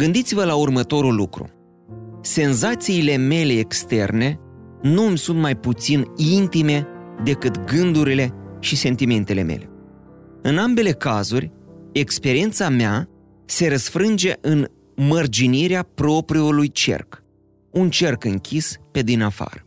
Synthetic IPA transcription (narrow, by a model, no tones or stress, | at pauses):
ɡɨnd̪it̪sivəlaurmət̪o̞ɾulukɾṵ | se̞nzat̪siːle̞me̞le̞ːkst̪e̞rne̞ | numʲsunt̪majput̪sinint̪ime̞d̪e̞kɨt̪ɡɨnd̪uɾile̞ʃise̞nt̪ime̞nt̪e̞le̞̰me̞̰le̞̰ | ɨnambe̞le̞kazurʲekspe̞ɾient̪samea | se̞ɾəsfɾɨnd͡ʒe̞ʔɨn | mərd͡ʒiniɾeapɾo̞pɾiolujt͡ʃe̞̰rk | unt͡ʃe̞rkɨŋkʲʰispe̞d̪inafa̰ɾə